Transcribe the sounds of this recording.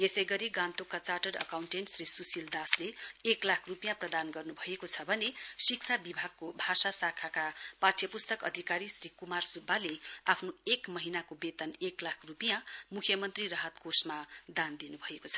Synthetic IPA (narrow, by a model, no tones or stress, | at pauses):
jesʌjɡʌɾiɡant̪okːat͡saʈʌrʌ̰kawɳʈenʈsrisusild̪asleeklakʰrupijãprʌd̪anɡʌrnubʱʌekot͡sʰʌbʱʌnesikt͡sʰabibʱaɡ̚kobʱasasakʰakapaʈʰjʌpust̪ʌkʌ̰d̪ʱikaɾisrikumarsubːaleapʰnoekmʌɦinakobet̪ʌneklakʰrupijãmukʰjʌmʌnt̪rirʌɦʌt̪kosmad̪and̪inubʱʌekot͡sʰʌ̥